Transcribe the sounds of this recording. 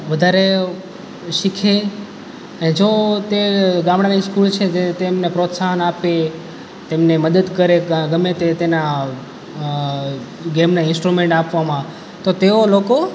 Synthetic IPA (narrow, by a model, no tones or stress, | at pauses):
ʋəd̪ʱaɾe | ʃikʰe | əned͡ʒot̪eɡãmɽaniskult͡ʃʰed͡ʒet̪emnepɾot̪saɦənape | t̪emneməd̪əd̪kəɾeɡəmet̪et̪ena | ɡemnaɪnsʈɾumẽɳʈapʋamã | t̪ot̪eoloko